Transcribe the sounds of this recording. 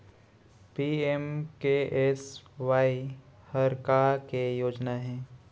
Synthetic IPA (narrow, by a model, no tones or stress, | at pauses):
piemkeʔesʋaːihəɾkaːɾkejoːd͡ʒnaɦɛ̃ː